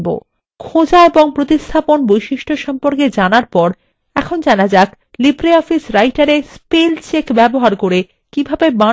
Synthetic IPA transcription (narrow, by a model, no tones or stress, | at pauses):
bo̰ | kʰod͡ʑaeboŋpɾot̪ist̪ʰaponbojʃiʃʈʰoʃɔmpoɾked͡ʑanaɾpɔɾ | ɛkʰond͡ʑanad͡ʑak | libɾeɔfisɾajʈaɾespelt͡ɕekbɛboɦaɾkoɾe | kibʱabeba